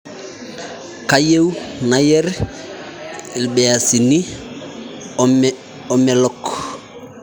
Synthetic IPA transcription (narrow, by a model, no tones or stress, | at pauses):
kajewnajɛɾ | ilbejasini | ɔmɛlɔk